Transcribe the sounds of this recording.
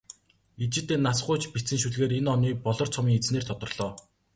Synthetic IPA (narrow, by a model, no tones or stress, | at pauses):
it͡ɕɪ̆t̪eːnːasχʊːt͡ɕpit͡sɘ̆ŋʃuɮɣeːɾenɔniːpɔɮɞ̆rt͡sʰɔmiːŋet͡sneːrt̪ʰɔt̪ɞ̆rɮ̥ɔː